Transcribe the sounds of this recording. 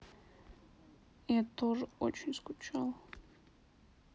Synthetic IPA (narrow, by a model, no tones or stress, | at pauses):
iat̪ʰoʐəot͡ʃʰɪnʲskʊt͡ʃʰalˠ